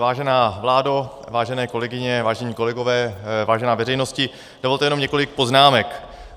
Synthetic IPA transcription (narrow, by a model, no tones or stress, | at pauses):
vaːʒɛnaːvlaːdo | vaːʒɛnɛːko̞lɛɡɪɲɛvaːʒɛɲiːko̞lɛɡovɛːvaːʒɛnaːvɛrɛjnoscɪ | d̥ovolt̪ɛjɛnomɲɛkolɪk̚po̞znaːmɛk